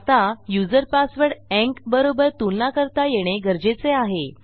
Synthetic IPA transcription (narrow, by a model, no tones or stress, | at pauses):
t̪ajud͡zəɾpasʋəɽɛ̃ŋkbəɾobəɾt̪ulnakəɾt̪ajeɽ̃eɡəɾd͡ʑet͡seaɦe